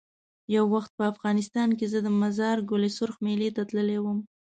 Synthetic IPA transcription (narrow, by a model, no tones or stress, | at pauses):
jawːaxt̪̚pəafɣɑnɪst̪ɑnk̬ezəd̪əmazɑɾɡolesʊɾxmelet̪at̪ləlewəm